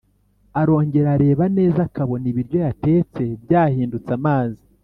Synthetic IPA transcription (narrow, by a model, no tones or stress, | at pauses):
aɾo̞ːɲɟe̞ɾaɾe̞ːβane̞ːzakaβo̞niβiɾjo̞jate̞ːt͡se̞bjaːhiːndut͡samaːzi